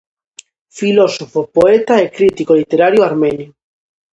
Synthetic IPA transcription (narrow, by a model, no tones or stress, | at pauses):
filosofopoet̪aekɾit̪ikolit̪eɾaɾjoaɾmẽnjo